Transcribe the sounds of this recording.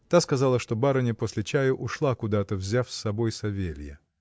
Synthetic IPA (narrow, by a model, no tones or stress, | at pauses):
t̪askɐzalˠəʂt̪o̞baɾənʲɪpo̞sʲlʲɪt͡ɕæjəʔʊʂlˠakʊd̪at̪əvzʲafsːɐbo̞jsɐvʲelʲjə̰